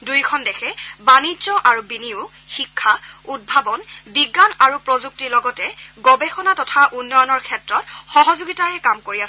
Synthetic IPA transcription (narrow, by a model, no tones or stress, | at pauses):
dujkʰɔndɛxʰɛbanizɔʔaɹubiniʊ | xikʰːaud̚bʱabɔnbiɡːanaɹupɹɔzuk̚tilɔɡɔtɛɡɔbɛxɔnatɔtʰaʔunːɔjɔnɔɹkʰɛtɹɔt̚xɔɦɔzuɡitaɹɛkamkoɹiasɛ